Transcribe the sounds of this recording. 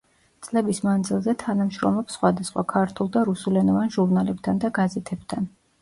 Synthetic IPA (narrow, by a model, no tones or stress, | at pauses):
t̪sʼlɛbismand̪zilˠzɛt̪ʰanamʃɾɔmlˠɔpsχwad̪asχwa̰kʰaɾt̪ʰulˠd̪aɾusulɛnɔvanʒuɾnalɛp̚t̪ʰand̪aɡazɛt̪ʰɛb̥t̪ʰan